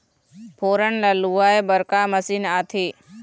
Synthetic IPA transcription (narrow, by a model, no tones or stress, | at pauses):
pʰoːɾəɳlaluaːebəɾkaːməsiːnaːt̪ʰiː